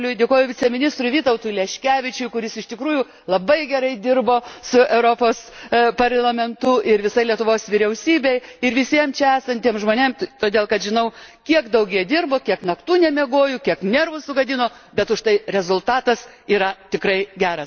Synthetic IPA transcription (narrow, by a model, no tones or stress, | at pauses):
lʲʊjdʲeːkoːjʊʋʲɪt͡sʲɛmʲɪnʲɪst̪ɾʊʋʲiːt̪ɐʊt̪ulʲɛʃʲkʲæːʋʲɪt͡ʃʲʊjkʊɾʲɪsɪʃt̪ʲɪkɾuːjʊ | lˠɐbɐɪɡʲɛɾɐɪd̪ʲɪrboːsʊɛʊɾoːpoːspɐrlˠɐmʲɛnt̪ʊʔɪɾʋʲɪsɐɪlʲiɛt̪ʊʋoːsʋʲɪɾʲɛʊsʲiːbʲɛɪɪɾʋʲɪsʲiɛmt͡ʃʲɛæːsɐnʲt̪ʲiɛmʒmoːnʲemt̪oːd̪ʲeːlˠkɐt̪ʒʲɪnɐʊkʲiɛkd̪ɐʊɡʲiɛd̪ʲɪrboːkʲiɛknɐkt̪uːnʲɛmʲɛɡoːjʊkʲiɛknʲɛrʋʊsʊɡɐd̪ʲɪnoːbʲɛt̪ʊʃt̪ɐɪɾʲɛzʊlˠt̪ɑːt̪ɐs | iːɾɐt̪ʲɪkɾɐɪɡʲæːɾɐs